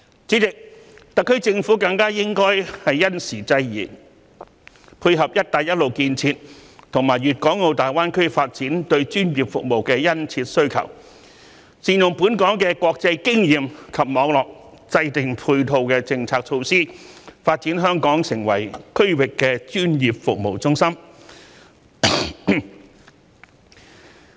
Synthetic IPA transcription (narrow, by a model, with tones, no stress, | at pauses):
t͡siː˨˥t͡sɪ˨k̚t̪ɐ˨kʰːɵ˥ɥt͡sɪ˧ŋfuː˨˥kɐ˧ŋkaː˥jɪ˥ŋkɔː˥jhɐ˨jːɐ˥nsiː˨˩t͡sɐ˧jjiː˨˩ | pʰuː˧jɦɐ˨p̚jɐ˥t̚t̪aː˨˩jɐ˥t̚lo˨wkiː˧nt͡sʰiː˧t̚t̪ʰʊ˨˩ŋmaː˨˩jɥyː˨t̚kɔː˨˥ŋŋo˧wt̪aː˨˩jwaː˥nkʰɵ˥faː˧t̚t͡siː˨˥nt̪ɵ˧ɥt͡ʃyː˥njiː˨˩p̚fʊ˨k̚mo˨wkɛː˧jɐ˥nt͡sʰiː˧t̚sɵ˥ɥkʰɐ̰˨˩w | siː˨njʊ˨ŋpuː˨˥nkɔː˨˥ŋkɛ˧kɔː˧k̚t͡sɐ˧jkɪ˥ŋjiː˨mkʰɐ˨p̚mɔː˨˧ŋlɔː˨˩k̚ | t͡sɐ˧jt̪ɪ˨ŋpʰuː˧jt̪ʰo˧wkɛː˧t͡sɪ˧ŋt͡sʰaː˧k̚t͡ʃʰo˧wsiː˥faː˧t̚t͡siː˨˥nɦœː˥ŋkɔː˨˥ŋsɪ˨˩ŋwɐ˨˩jkʰɵ˥ɥwɪ˨kːɛː˧t͡ʃyː˥njiː˨˩p̚fʊ˨k̚mo˨˩wt͡sʊ˥ŋsɐ˥m